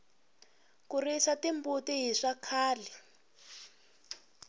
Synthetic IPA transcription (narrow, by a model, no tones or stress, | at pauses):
kurisatimbutiɦiʂakʰaːli